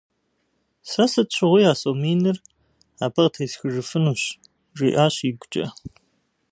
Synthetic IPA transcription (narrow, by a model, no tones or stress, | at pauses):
sɐsɨt͡ʃʷʰɨʁʷijaːsʼomiːnɨr | aːbɐʁtʰeːsxɨʐɨfɨnuːɕ | ʈ͡ʂʼḭːʔaːɕiɡʷt͡ʃʼɐ̰